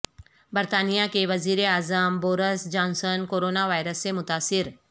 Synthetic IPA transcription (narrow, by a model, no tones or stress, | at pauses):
bəɾt̪aːnijakeʋɐziːɾeaːzamboːɾəsd͡ʒãːnsənkoːɾoːnaʋaːjɾəsːemʊt̪aːsɪɾ